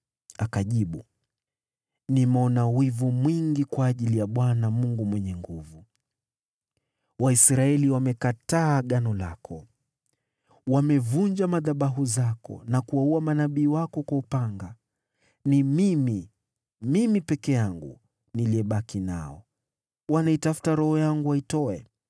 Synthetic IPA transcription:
akaʄiɓu | nimɔnawivumwiŋɡikwaːʄilijaɓwanamuŋɡumwɛɲɛŋɡuvu | waisɾaɛliwamɛkataːɠanɔla̰kʰɔ | wamɛvuɲd͡ʒamaðaɓaɦuzakɔ̰nakuauamanaɓiːwakɔkwaupaŋɡa | nimimi | mimipɛkɛjaŋɡṵ | niliɛɓakina̰ɔ̰ | wanaitafu̥taɾɔhɔjaŋɡuaitɔɛ

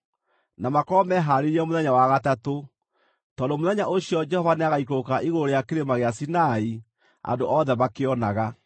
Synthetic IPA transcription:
namakɔmɛɦaɾeɾɛmoðɛɲawaɣatato | tɔndomoðɛɲaʔoɕjɔd͡ʒɛhɔvaneaɣaikokaʔiɣoɾejakeɾemaɣeasinai | a̰ndoʔɔðɛβakeɔnaɣa

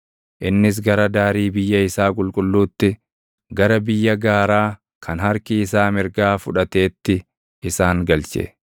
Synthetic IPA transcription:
ʔɪnːɪs̬ɡɐɾɐd̪aːɾiːbɪjːɐɪsaːkʼʊlkʼʊlːuːt̪ːɪ | ɡɐɾɐbɪjːɐɡaːɾaː | kʰɐnhɐɾkɪːsaːmɪɾɡaːfʊᶑɐt̪e̞ːt̪ːɪ | ɪsaːŋɡɐlt͡ʃɛ̰

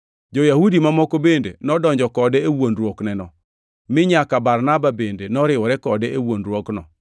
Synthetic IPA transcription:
d͡ʒojahudimamɔkobendḛnɔdɔɲd͡ʒɔkɔdɛewondɾwoknɛnɔ | mɪɲakabaɾnababendenɔɾɪwɔɾɛkɔdɛʔewondɾwoknɔ̰

